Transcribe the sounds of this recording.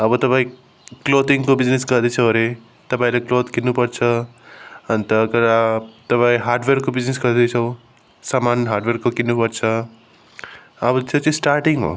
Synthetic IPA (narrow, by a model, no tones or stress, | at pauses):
ɐbɔt̪ɐpaːĩ | kloːt̪iŋkobid͡ʒniskɐɾd̪it͡ʃʰɐɾe | t̪ɐpaːĩlakloːd̪kinːupɐɾt͡ʃʰɐ | ɐnt̪ɐkɐɾat̪ɐpãːĩɦaːɾɖʋeɾkobid͡ʒniskɐɾd̪it͡ʃʰɐw | samaːnɦaːɾɖʋeɾkokinːupɐɾt͡ʃʰɐ | ɐbtʰet͡ʃisʈaːɾʈiŋɡo̰